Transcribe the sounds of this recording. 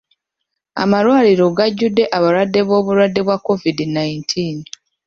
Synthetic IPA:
a̰malwaːliɾo̞ɡaɟːudːe̞ʔaβaɾwadːe̞βo̞ːβuɾwadːe̞βwakːo̞vidinajintʰiːn

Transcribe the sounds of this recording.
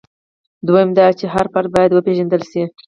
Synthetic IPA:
d̪wojəmd̪ɑt͡ʃeɦaɾpaɾ̚bɑjad̪wəpeʒand̪əlʃi

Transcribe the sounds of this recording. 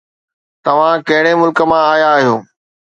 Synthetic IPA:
t̪ɐʋ̤ãkɐ̃ɦɪɽemʊlkə̆mãaːjaːɦijoː

